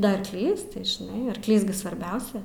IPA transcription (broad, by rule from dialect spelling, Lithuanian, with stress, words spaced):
dɐ ɐrˈklʲiːs tɐɪ ʒʲɪˈnɐɪ ɐrkˈlʲiːs ɡʲɪ sʋɐrʲˈbʲɛʊsʲɛ